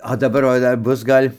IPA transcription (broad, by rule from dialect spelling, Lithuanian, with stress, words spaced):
oː dɐˈbɐr ʋɐ ˈdɐr ˈbʊs ˈɡɐlʲ